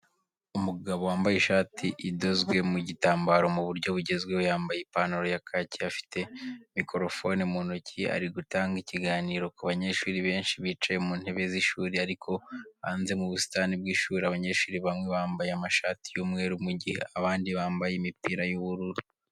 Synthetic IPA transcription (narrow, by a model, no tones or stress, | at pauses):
umuɡaβo̞waːmbajeʃaːtʰiʔido̞zɡwe̞muɟitaːmbaɾo̞muβuɾɟo̞βuɟe̞zɡwewojaːmbajepanoɾojakʰaciafi̥tʰe̞mikʰo̞ɾo̞fo̞nimunucʰia̰ɾiɡutaːŋɡiciɡaːniːɾo̞kuβaɲe̞ɾʃuːɾiβe̞ːnʃiβiːt͡ʃaje̞muːn̥he̞βe̞ziʃuːɾiaɾikʰo̞βa̰ːnze̞muβusi̥taːnibɡiːʃuːɾiaβaɲe̞ːɾʃuːɾiβamŋe̞βaːmbajeamaʃaːti̥juːmŋe̞ːɾumuɟihḛaβaːndiβaːmbajemipiːɾajuβuɾuɾu